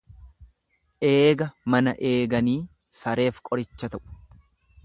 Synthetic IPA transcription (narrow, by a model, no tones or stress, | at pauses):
ʔeːɡɐmɐnɐʔe̞ːɡɐniː | sɐɾe̞ːfkʼɔɾɪt͡ʃːɐt̪ɐʔʊ̥